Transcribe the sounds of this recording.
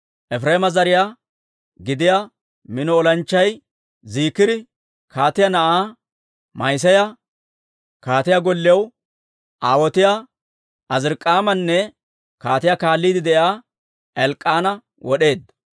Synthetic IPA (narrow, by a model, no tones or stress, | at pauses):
ʔɛfɾeːmɐzɐɾɪja | ɡɪd̪ɪja | mɪnɔːlɐnt͡ʃːɐj | ziːkːɪd̪ɪ | kaːt̪ɪjɐnɐʔaː | mɐjs̬ɐjɐ | kaːt̪ɪjaɡɔlːɪɛw | ʔaːwɔt̪ɪja | ɐzɪɾkʼːaːmɐnːɛ | kaːt̪ɪjaːkaːlːiːd̪ɪd̪ɛjaː | ɛlkʼːaːnɐ | wɔɗe̞ːd̪ɐ